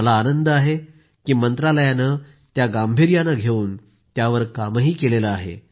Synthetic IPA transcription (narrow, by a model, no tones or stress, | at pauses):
əlaːnənd̪əaɦe | kiːmənt̪ɾaləjanə | t̪jaɡambʱiɾjanaɡʱeuːn | t̪jaʋəɾkaməɦiːkelelaaɦḛ